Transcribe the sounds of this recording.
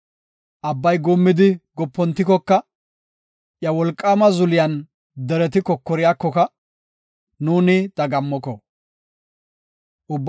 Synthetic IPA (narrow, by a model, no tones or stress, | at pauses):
ʔɐbːɐjɡuːmːɪd̪ɪɡɔpːɔnt̪ːɪkɔkːɐ | jɐwɔlkʼːaːmɐzʊlɪjɐn | d̪ɛɾɛt̪ɪkɔkːɔɾɪjaːkːɔkɐ | nuːnɪt̪ɐɡɐmːɔkɔ | ʔʊbː